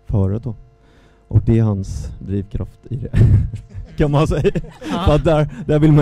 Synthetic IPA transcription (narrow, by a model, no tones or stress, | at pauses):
fœːɾʉt̪̚o | ʔɔ̰k̚d̪ɛæɾɦhansd̪ɾiːʋkʰɾaft̪ɪd̪ɛ | kʰɑnmansɛjfɑt̪̚d̪æːɾd̪æːɾʋɪlma